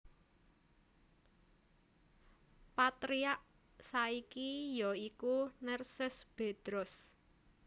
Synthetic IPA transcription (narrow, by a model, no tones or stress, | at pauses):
pat̪ɾiaʔ | saikijɔikunərsɪsb̥e̤d̪̥ɾɔs